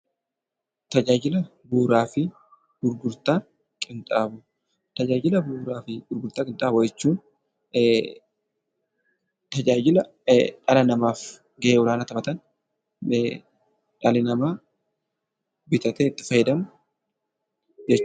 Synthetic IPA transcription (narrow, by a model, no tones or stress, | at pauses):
t̪ɐd͡ʒaːd͡ʒɪlɐ | buːɾaːfɪ | ɡ̥ʊɾɡʊɾt̪aː | kʼɪnt̪ʼaːbʊ | t̪ɐd͡ʒaːd͡ʒɪlɐbuːɾaːfɪɡʊɾɡʊɾt̪aːkʼɪnt̪ʼaːbʊd͡ʒɛt͡ʃːuːn | t̪ɐd͡ʒaːd͡ʒɪlɐ | ᶑɐlɐnɐmaːf | ɡɛʔeːwɔlaːnɐt̪ɐmɐt̪ɐn | ᶑɐlɪnɐmaː | bɪt̪ɐt̪ɛːɪt̪ːɪ̥fɐjɛd̪ɐmʊ | d͡ʒɛt͡ʃː